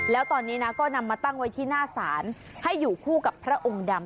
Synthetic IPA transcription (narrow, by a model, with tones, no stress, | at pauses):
lɛː˦˥wt̪ɔː˧nːiː˦˥na˦˥kɔː˥˩na˧mːaː˧t̪a˥˩ŋwa˦˥jt̪ʰiː˥˩naː˥˩saː˩˦n | ha˥˩jːuː˨˩kʰuː˥˩ka˨˩pʰːɾa˦˥ʔo˧ŋda˧m